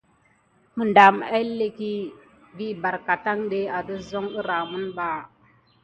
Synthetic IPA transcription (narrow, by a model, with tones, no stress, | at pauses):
mə˨nda˨ma˦le˨ki˦ | bi˦ba˨ɾka˨ta˦ŋɗe˦a˨də˦zo˦ŋə˦ɾa˨mu˦nɓa˦